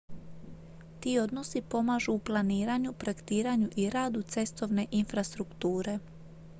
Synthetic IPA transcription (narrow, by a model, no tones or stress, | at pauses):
t̪iːo̞d̪no̞sipo̞maːʒuːplˠaniːɾaɲupɾekt̪iːɾaɲuʔiɾaːd̪ut̪se̞st̪o̞ʋne̞ʔinfɾast̪ɾukt̪uːɾe̞